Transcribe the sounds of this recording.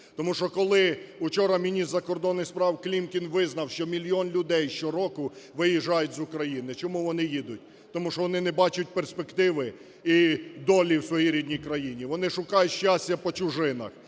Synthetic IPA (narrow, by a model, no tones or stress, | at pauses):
t̪ɔmuʃɔkɔlˠɪʊt͡ʃɔɾɐmʲinʲist̪ɐkɔrd̪ɔnːɪxspɾɑwklʲimkʲinʋɪznɐwʃt͡ʃɔmʲilʲjɔnlʲʊd̪ɛjʃt͡ʃɔɾɔkʊ | ʋɪjiʒːɑjʊtʲzʊkɾɐjinɪt͡ʃɔmuʋɔnɪjid̪ʊt̚ʲ | t̪ɔmuʃɔʋɔnɪnɛbɑt͡ʃʊt̚ʲperspekt̪ɪʋɪ | id̪ɔlʲiwsʋɔjiɾʲid̪ʲnʲijkɾɐjinʲiʋɔnɪʃʊkɑjʊtʲʃt͡ʃasʲtʲɐpɔt͡ʃʊʒɪnɐ̰x